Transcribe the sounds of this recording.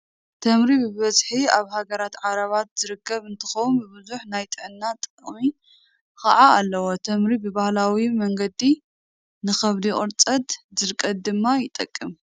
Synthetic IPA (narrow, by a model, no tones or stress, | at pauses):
t̪ʰɐmɾibɨβɐzħiaβhaɡɐɾat̪ʕaɾɐβat̪z̥ɨɾɨkʰːɐβɨnt̪ʰɨ̥xɐwumbɨbɨzuħnajt̪ʼɨʕɨnːat̪ʼɨχʼmi | xɐ̰ʕaalːɐwot̪ʰɐmɾibɨbahlawimɐŋɡɐd̪i | nɨxɐβd̪ikʼɨɾt͡sʼɐd̪zɨɾkʼːɐt̪̚d̪ɨmːajɪt̪ʼɐkʼːɨm